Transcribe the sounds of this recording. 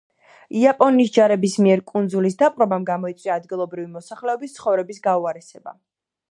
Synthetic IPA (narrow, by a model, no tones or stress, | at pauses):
iapʼɔnːisd͡ʒaɾɛbismiɛɾkʼund̪zulisd̪apʼɾɔbamɡamɔit̪sʼwiaːd̪ɡilˠɔbɾivimɔsaχlɛɔbist̪sʰχɔvɾɛbisɡauaɾɛsɛba̰